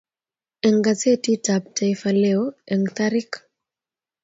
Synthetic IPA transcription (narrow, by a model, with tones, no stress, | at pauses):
ɛ˨ŋɡa˨t͡se˦ti˦ta˨p̚ta˨ifa˨leo˦ɛ˨ŋt̪aɾi˦k